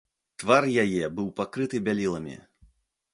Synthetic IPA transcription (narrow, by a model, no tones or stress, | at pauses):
t̪varjajɛbɨwpakɾɨt̪ɨbʲalʲilˠɐmʲḭ